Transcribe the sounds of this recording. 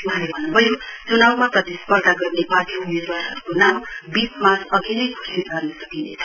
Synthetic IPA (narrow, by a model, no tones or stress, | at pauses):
wʌɦalebʱʌnːubʱʌjot͡sunawmaprʌt̪ispʌrd̪ʱaɡʌrnebat̪inirbaɾɦʌ̰ɾukonambipmasʌɡinʌjkʰo̥sit̪ʌrnesʌkinḛt͡sʰʌ̥